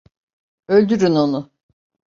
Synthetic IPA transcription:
ølʲd̪yɾynonʊ

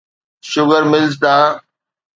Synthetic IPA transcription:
ʃʊɡəɾmɪlzd̪aː

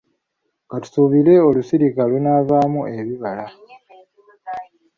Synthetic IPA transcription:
ŋɡatu̥suβile̞o̞lusiɾikalunaːvaːmuʔe̞βiβala

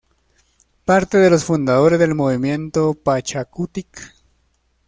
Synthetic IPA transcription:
paɾt̪eðelosfund̪aðoɾezðelmoβimjent̪opat͡ʃakut̪ik

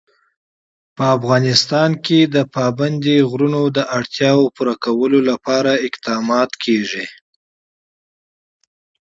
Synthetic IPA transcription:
pəafɣɑnɪst̪ɑnked̪əpɑband̪iɣɾunod̪əʔaɽt̪jɑwopuɾakawəlolapɑɾaɪqd̪ɑmɑt̪kʰeʐi

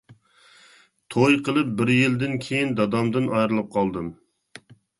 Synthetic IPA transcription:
t̪ʰojqʰəlˠɨp̚bɪɾjild̪ɪnkʲʰejind̪ɑd̪ɑmd̪ɨnɑjɾɨlˠɨp̚qʰɑlˠd̪ɨm

